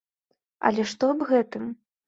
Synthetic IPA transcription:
ɐ̰lʲɛʂt̪ɔbɣɛt̪ɨm

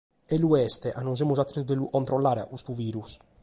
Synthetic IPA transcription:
ɛluɛst̪ɛʔanːɔnz̬emuzat̪ːɾet̪ud̪ɛlukɔnt̪ɾɔlːaːɾea̰kust̪uviːɾus

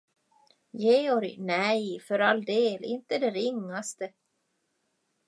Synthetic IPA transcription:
jeːɔɾɪ̰nɛjfœɾald̪eːlɪnt̪əd̪ɛɾɪŋːast̪ə

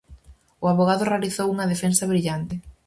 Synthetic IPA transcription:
ʊaβoɣ̞aðʊrealiθowuŋɐðefensɐβɾiʎant̪ɪ

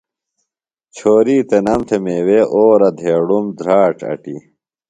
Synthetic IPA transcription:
t͡ɕʰoːɾiːt̪enɐmt̪ʰemeːweːʔoːɾɐd̪ʱeːɽumd̪ɾaːʈɐ̰ʈḭ

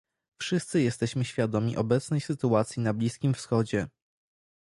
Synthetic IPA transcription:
fʂɘst̪sɘjɛst̪ɛɕmɘɕfʲjad̪ɔmʲḭʔɔbɛt̪snɛjsɘt̪uat̪sʲjinablʲiskʲimfsxɔd͡ʑɛ

